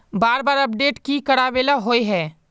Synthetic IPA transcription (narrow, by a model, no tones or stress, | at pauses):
baːɾbaːɾɐp̚ɖeːʈkikɐɽaːʋeːlaɦoːiɦɛː